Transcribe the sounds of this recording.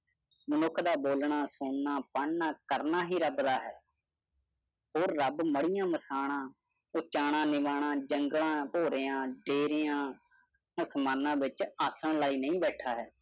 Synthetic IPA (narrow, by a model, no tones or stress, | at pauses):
mənʊkʰd̪aːboːlɳaːsoːnːaːpəɳnaːkəɾnaːɦiːɾəbd̪aːɦɛː | hoːɾːəbməɽɪjãːməsaːɽ̃ãː | ʊt͡ʃaːɽãːnɪʋaːɳ̃ãːd͡ʒəŋɡlãːpoːɾɪːãːɖeːɾɪːjãː | əsmaːnãːʋɪt͡ʃaːsəɳlaːiːnəĩːbɛːʈʰaːɦɛː